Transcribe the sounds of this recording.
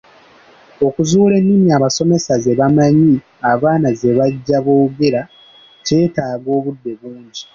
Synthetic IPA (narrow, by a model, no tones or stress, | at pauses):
o̞kuzuːle̞nːimiaːβaso̞me̞sazeβamaɲi | aβaːnaze̞βaɟːaβoːuɡeɾa | ce̞ːtaːɡo̞ːβudːe̞βuːɲɟi